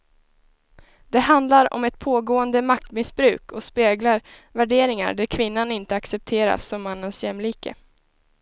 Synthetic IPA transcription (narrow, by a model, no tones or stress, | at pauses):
d̪̥ɛɦand̪laɾɔ̰mɛt̪̚pʰoːɡoːənd̪əmak̚t̪mɪsbɾʉ̟ːkʰɔspeːɡlaɾ | væɖeːɾɪŋa̰ɖæɾkʰvɪnːanɪnt̪əaksɛp̚t̪ʰeːɾa̰sːɔmːanːənsjɛmːliːkə̰